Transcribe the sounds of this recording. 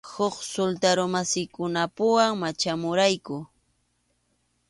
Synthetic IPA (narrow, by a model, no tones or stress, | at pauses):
hoχsolt̪aɾomasɪjkʊnapʊwaŋmat͡ʃamʊɾajkʊ